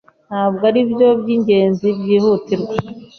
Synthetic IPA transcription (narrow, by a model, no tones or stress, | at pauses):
nhaːbɡaɾibjo̞bɟiːɲɟe̞ːnzibjiːhuːtiɾɡa